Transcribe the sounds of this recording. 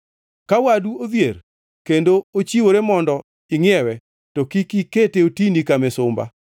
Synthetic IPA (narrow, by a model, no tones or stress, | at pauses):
kawaduoðjer | kendoot͡ʃiwoɾemɔndɔ | ɪŋɪɛwɛ | tokikiketeotinikamɛsʊmba̰